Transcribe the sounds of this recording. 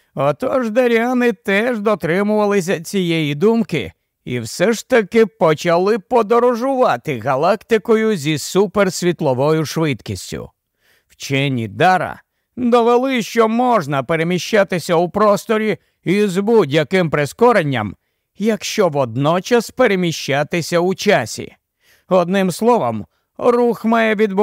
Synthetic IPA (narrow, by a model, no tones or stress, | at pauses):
ɔt̪ɔʒd̪ɐɾʲanɪt̪ɛʒd̪ɔt̪ɾɪmʊʋɐlˠɪs̬ʲɐt͡sʲijɛjid̪umkɪ̰ | ḭwsɛʃt̪ɐkɪpɔt͡ʃɐlˠɪpɔd̪ɔɾɔʒʊʋɑt̪ɪɣɐlˠakt̪ɪkɔjʊzʲisupersʲʋʲit̪lˠɔʋɔjʊʃʋɪt̪kʲisʲtʲʊ̰ | wt͡ʃɛnʲːḭd̪aɾɐ̰ | d̪ɔʋelˠɪʃt͡ʃɔmɔʒnɐpeɾe̞mʲiʃt͡ʃat̪ɪsʲɐupɾɔst̪ɔɾʲi | izbudʲjɐkɪmpɾeskɔɾenʲːɐ̰m | jɐkʃt͡ʃɔʋɔd̪̚nɔt͡ʃɐspeɾemʲiʃt͡ʃat̪ɪsʲɐʊt͡ʃasʲḭ | ɔd̪nɪmslˠɔʋɐm | ruxmɑjɛʋʲid̪b